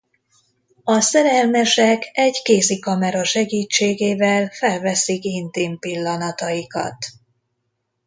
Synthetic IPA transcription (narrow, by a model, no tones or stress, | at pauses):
ɒsɛɾɛlmɛʃɛkʰɛɟkeːzikɒmɛɾɒʃɛɡiːt͡ʃːeːɡeːvɛlfɛlvɛsikint̪impilːɒnɒt̪ɒjikɒ̰t̪